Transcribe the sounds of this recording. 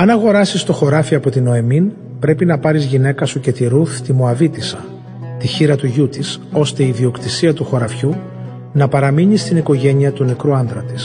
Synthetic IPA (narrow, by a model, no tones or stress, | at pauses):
ɐnɐɣo̞ɾɐsist̪o̞xo̞ɾɐfiɐpo̞t̪ino̞e̞min | pɾe̞pinɐpɐɾizʝine̞kɐsuce̞t̪iɾuθt̪imoɐvit̪isɐ | t̪içiɾɐt̪uʝut̪iso̞st̪e̞iðio̞kt̪isiɐt̪uxo̞ɾɐfçu | nɐpɐɾɐmiɲist̪iniko̞ʝe̞ɲiɐt̪unekɾuɐnðɾɐt̪i̥s